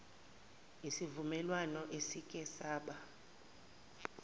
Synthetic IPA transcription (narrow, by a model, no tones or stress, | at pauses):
isivumɛlwanɔʔesikʼɛsaːɓa